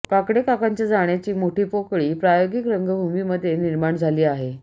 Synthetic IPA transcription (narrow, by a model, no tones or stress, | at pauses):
kakɽekakaɲt͡ɕjad͡zaɳ̃jat͡ɕiːmoʈʰiːpokɭiːpɾajoɡikɾəŋɡəbʱumiːməd̪ʱːjeniɾmaɳd͡zʱaliːaɦe